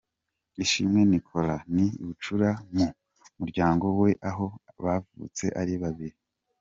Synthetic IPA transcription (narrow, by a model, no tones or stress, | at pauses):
iʃimŋe̞nikʰo̞laniḭβut͡ʃuɾamu | muɾɟaːŋɡo̞we̞ʔaɦo̞βavṵt͡se̞ʔaɾiβaβiɾi